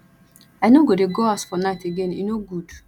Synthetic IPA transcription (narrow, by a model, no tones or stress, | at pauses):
anoɡodeɡɔasfɔnaɪteɡeninoɡud